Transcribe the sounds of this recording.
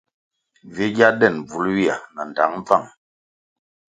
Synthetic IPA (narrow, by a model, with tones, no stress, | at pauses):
vi˨˦ɡja˦dɛ˦˨nb͡vu˨˦lwi˦a̰˨na˨n˨da˨˦ŋm˦b͡va˦˨ŋ